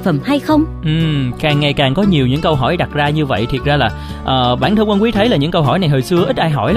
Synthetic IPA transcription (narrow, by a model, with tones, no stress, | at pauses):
fə˨˩mha˧jxə˧wŋ͡mʔɨ˨˩mkaː˨˩ŋːa˨˩jkaː˨˩ŋkɔ˨˦ɲi˨˩əwɲɨ̰˧˥ŋkə˧wɦɔ˧˩jɗa˨˩t̚zaː˧ɲɨ˧və̰˧˨jt̪ʰi˨˩ət̚zaː˧laː˨˩ | ʔəː˨˩ɓa̰ː˧˩nt̪ʰə˧ŋkwə˧ŋkwt̪ʰə˨˦jlaː˨˩ɲɨ̰˧˥ŋkə˧wɦɔ̰˧˩jna˨˩jɦəː˨˩jsɨ˧əʔi˦˥t̚ʔaː˧jɦɔ̰˧˩jl